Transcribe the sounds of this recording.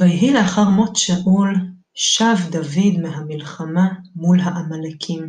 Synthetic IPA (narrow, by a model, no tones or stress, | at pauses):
vajiɦileaχaʁmotʃaʔul | ʃavd̪avid̪meɦamilχamamulɦaʔamalakʰim